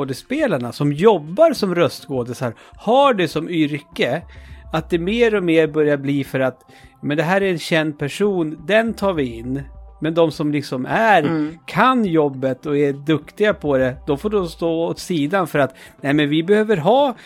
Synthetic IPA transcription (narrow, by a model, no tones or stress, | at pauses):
d̪ɪspeːlaɳasɔmjɔbːaɾsɔmɾœst̪ɡoːd̪ɪsaɾ | haɖɛsɔmʏɾkəat̪̚d̪ɛmeːɾɔmeːɾbœɾjabliːfœɾat̪ | mɛnd̪ɛɦæːɾæɾɛnɕɛnd̪̚pʰæʂuːnd̪ɛnt̪ʰɑːɾvɪɪnːmɛnd̪ɔmsɔmlɪksɔmæɾkʰanjɔbːət̪ɔɛd̪ɵkt̪ɪɡapʰɔd̪ɛd̪̥ɔfoːɖɔmst̪oːɔt̪siːd̪anfœɾat̪nɛɪmɛnvɪbɛhøːvəɾɦɑː